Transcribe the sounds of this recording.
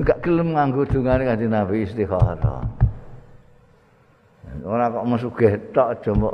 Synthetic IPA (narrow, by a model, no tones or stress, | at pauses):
ŋɡaʔkələmŋaŋɡu̥d̪̥ṳŋanekad̥̪inabiːst̪iɦɔɾɔ̰ | oɾakɔʔməs̬uɡ̥ɛht̪ɔʔd̥ʒ̥ɔ̤mbɔʔ